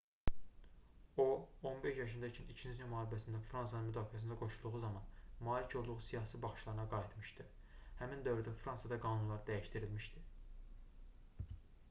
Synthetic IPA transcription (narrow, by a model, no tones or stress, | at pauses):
o̞onbeʃjɑʃ̬ɯnd̪ɑt͡ʃʰinit͡ʃʰiniznymɑːɾbæsind̪æfɾɑnsɑnɯnmyd̪ɑːfiæs̬ind̪æɡo̞ʃulˠd̪uʁuzɑmɑnmɑːlicʰo̞lˠd̪uʁusijɑːsibɑχʃlˠɑɾɯnɑɡɑjit̪mɯʃt̪ɯ | hæmind̪ø̞vɾyd̪æfɾɑnsɑd̪ɑɡɑːnunlˠɑɾd̪æjiʃt̪iɾilmiʃd̪i